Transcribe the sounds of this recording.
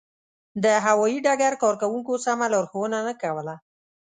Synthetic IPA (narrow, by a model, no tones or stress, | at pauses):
d̪əɦawɑjiɖaɡaɾkɑɾkawuŋkosamaloɾxowənanəkawəla